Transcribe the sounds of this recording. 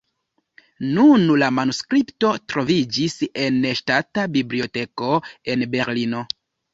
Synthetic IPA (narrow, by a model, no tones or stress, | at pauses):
nunlamanuskɾipto̞tɾovid͡ʒise̞neʃtatabiblio̞te̞ko̞e̞nbe̞ɾlino̞